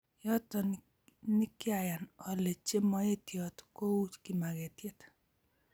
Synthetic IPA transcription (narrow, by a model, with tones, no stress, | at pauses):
jɔ˦tɔ˨ | nɪ˦kja˨ja˨nɔ˨le˨t͡ʃe˦mɔ˦e˦tjɔ˨tko˦u˦t͡ʃki˦ma˨ke˨tje˦t